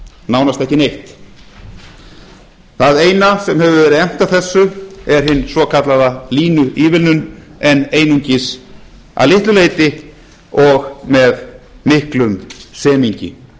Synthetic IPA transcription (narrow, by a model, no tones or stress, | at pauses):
naːwnast̪ɛhcɪnejht̪ | θaðeːjnasɛmhɦɛvʏvɛːɾɪðɛm̥t̪aθɛsːʏɛɾ̥ɦɪnːsvɔkʰat̪laðaliːnʏʔiːvɪlnʏnɛnːeːjnuɲcɪs | a̰lɪht̪lʏleːjt̪ɪ | ɔɣmɛðmɪhklʏmsɛːmiɲcɪ̰